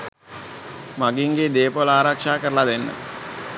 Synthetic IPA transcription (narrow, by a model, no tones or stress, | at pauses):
maɡiŋɡed̪eːpolaːɾakʂaːkəɾəlad̪enːə̰